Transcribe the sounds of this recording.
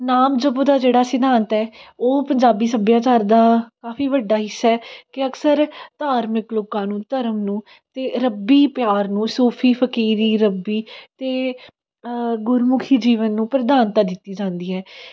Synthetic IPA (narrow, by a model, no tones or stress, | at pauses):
naːmd͡ʒəbõːd̪aːd͡ʒeːɽaːsɪd̪ʱaːnt̪ɛːoːpəɲd͡ʒaːbiːsəbjaːt͡ʃaːɾd̪aːkaːfʰiːʋəɖːaːɦɪsːɛːkɪəksəɾt̪aːɾmɪkloːkãːnũːt̪əɾəmnũː | t̪eːɾəbiːpjaːɾnũːsuːpʰiːpʰəkiːɾiːɾəbiːt̪eː | ɡʊɾmʊkʰiːd͡ʒiːʋənːũːpɾəd̪aːnt̪aːd̪ɪt̪ːiːd͡ʒãːnd̪iːɦɛː